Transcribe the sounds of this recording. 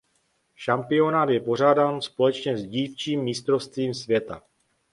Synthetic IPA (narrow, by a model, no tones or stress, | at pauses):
ʃampɪo̞naːt̪jɛpo̞r̝aːdaːnspo̞lɛt͡ʃɲɛzɟiːft͡ʃiːmːɪst̪ɾo̞fst̪viːmsvjɛt̪a̰